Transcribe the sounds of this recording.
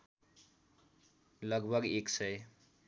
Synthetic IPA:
lʌɡbʱʌɡeksʌj

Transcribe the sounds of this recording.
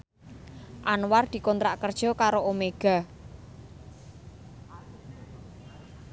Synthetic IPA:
ʔanward̪̥i̤kɔnt̪ɾaʔkərd̥ʒ̥ɔ̤kaɾoomeɡ̥a̤

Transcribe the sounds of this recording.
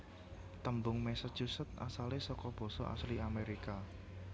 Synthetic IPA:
t̪əmbʊŋmɛsə̥ʒ̥usət̪̚a̰salesɔkɔb̥ɔ̤sɔʔa̰sliameɾika

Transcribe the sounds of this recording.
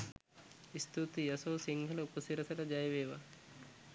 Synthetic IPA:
ist̪ut̪ijɐsoːsiŋɡʱɐlɐupɐsiɾɐsɐlɐd͡ʒajʋeːʋa

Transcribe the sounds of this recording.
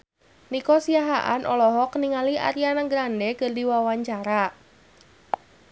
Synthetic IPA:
nikɔsiaɦaʔa̰nʔɔlɔɦɔkniŋaliʔa̰ɾjanaɡɾandɛkɨrdiwawaɲt͡ʃaɾa

